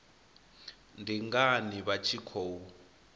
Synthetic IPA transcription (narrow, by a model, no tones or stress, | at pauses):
ndʱiŋɡaniβat͡ʃʰikʰoːwu